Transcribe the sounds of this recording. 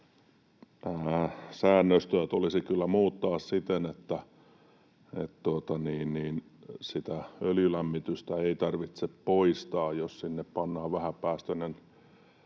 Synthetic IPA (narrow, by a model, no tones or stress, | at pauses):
əːsæːnːøst̪øæt̪olisikylːæmuːt̪ːɑːssit̪enet̪ːæ | ḛt̪t̪uot̪ɑniːnniːn | sit̪æøljylæmːit̪yst̪æeit̪ɑrʋit̪seppoist̪ɑːjossinːeppɑnːɑːʋʋæhæpæːst̪ønen